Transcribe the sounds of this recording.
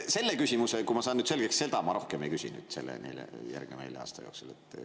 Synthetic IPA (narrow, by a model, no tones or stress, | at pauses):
se̞lːekysʲimusekumɑsɑːnyːt̪se̞lɡ̥eksse̞ld̪ɑmɑɾʔo̞hkeme̞jkysḭny̰ːd̪̥se̞lːḛnḛlḛjæ̰rɡ̥̚nemejleɑ̰ːst̪ɑjoːksulet̪ː